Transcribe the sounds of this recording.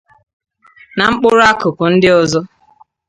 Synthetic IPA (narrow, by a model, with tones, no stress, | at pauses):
na˨ŋ͡m̩˦k͡pʊ˦ɾa˦kʊ˨pʊ˨n̩˦dɪ˦ɔ˨zɔ˦